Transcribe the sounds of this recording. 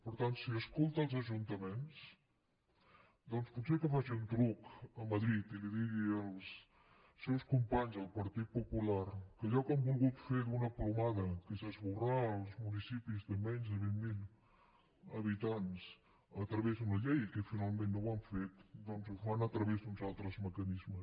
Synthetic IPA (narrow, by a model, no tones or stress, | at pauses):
pəɾt̪ansiəskolˠt̪əlˠzəʒunt̪əmens | d̪ɔnsput̪sekəfasiunt̪ɾukəməðɾit̪iliðiɣiəlˠs | sːɛwskumpaɲzðəlˠpəɾt̪it̪̚pupularkəʎɔkəmbulˠɣut̪feðunəplumaðəkəsəzβuraəlˠzmunisipizðəmɛɲzðəβimmilˠ | əβit̪ans | ət̪ɾəβezðunəʎejkəfinalˠmẽnːoaɱfet̪d̪ɔnzufanət̪ɾəβezd̪unzalˠt̪ɾəzməkənizmə